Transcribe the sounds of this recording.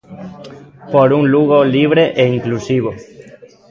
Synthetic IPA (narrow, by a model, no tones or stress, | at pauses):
poɾuŋluɣoliβ̞ɾeʔeiŋklusiβ̞o